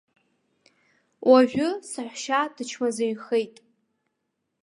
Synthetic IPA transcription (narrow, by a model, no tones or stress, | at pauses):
wʔaʒᶣʊsaħʷʃadɨt͡ʃʰmazaɥχejtʼ